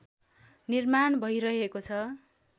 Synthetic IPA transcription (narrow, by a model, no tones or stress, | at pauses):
nirmanbʱʌijɾʌɦekot͡sʰʌ